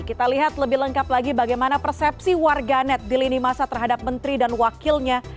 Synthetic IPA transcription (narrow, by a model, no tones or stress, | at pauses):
kit̪aliɦat̪ləbɪhləŋkaplaɡibaɡajmanapərsɛp̚siwarɡanɛt̪̚dilinimasat̪ərɦadap̚mənt̪ɾidanwakilɲa